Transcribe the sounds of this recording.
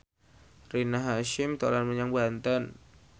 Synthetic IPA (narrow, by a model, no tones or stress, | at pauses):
rinaɦaʃɪmt̪olanməɲaŋbant̪an